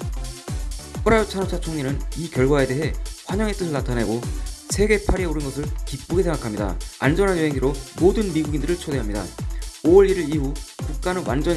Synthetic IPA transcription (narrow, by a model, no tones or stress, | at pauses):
pʰoɾaot͡ɕʰanot͡ɕʰat͡ɕʰoŋɲinɯnikjʌɭɡwae̞de̞ɦe̞ɸwaɲʌŋe̞t͈ɯs̬ʰɯɭnatʰane̞ɡosʰe̞ɡe̞pʰaɾieoɾɯnɡʌsʰɯɭkip̚p͈uɡesʰe̞ŋɡakʰamɲida̰a̰nd͡ʑʌnɦanjoɦeŋiɾomodɯnmiɡuɡindɯɾɯɭt͡ɕʰode̞ɦamɲida̰oʌɾiɾɯɾiɦukuk̚k͈anɯnwʔand͡ʑʌ